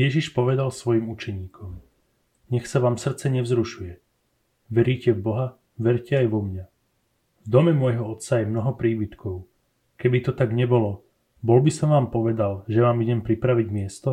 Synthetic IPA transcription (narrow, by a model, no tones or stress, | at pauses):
jɛʒiʃpɔʋɛd̪alsʋɔjimut͡ʃɛɲiːkʰɔm | ɲɛxsaʋaːmsr̩t̪t͡sɛɲɛvzɾuʃujɛ | ʋɛɾiːcɛvbɔɦa | ʋɛɾcɛajʋɔmɲa | vd̪ɔmɛmwɔjɦɔɔt̪sajɛmnɔɦɔpɾiːbit̪kɔʊ | kɛbit̪ɔt̪aɡɲɛbɔlɔ | bɔlbisɔmʋaːmpɔʋɛd̪alʒɛʋaːmiɟɛmpɾipɾaʋiɟmɪɛst̪ɔ